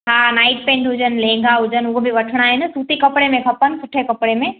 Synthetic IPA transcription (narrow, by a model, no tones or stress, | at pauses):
ɦanaːɪʈ̚pẽːɳɖɦʊd͡ʒənlẽːŋɡʱaɦʊd͡ʑənʊɦbʱiʋɐʈʰɽ̃aɦɛnsuːt̪ikɐpɽemẽkʰɐpənsʊʈʰekɐpɽemẽ